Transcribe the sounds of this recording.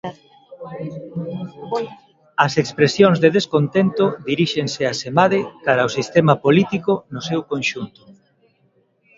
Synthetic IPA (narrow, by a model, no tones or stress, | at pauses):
ɐsekspɾesjoŋzðeðeskont̪ent̪ʊðiɾiʃeŋseasemaðekaɾɐosist̪emɐpolit̪ikonʊsewkonʃunt̪ʊ̥